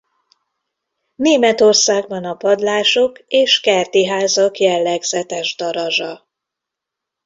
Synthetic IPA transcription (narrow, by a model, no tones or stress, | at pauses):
neːmɛt̪o̞rsaːɡbɒnɒpɒd̪laːʃo̞keːʃkɛrt̪iɦaːzɒkjɛlːɛɡz̥ɛt̪ɛʒd̪ɒɾɒʒɒ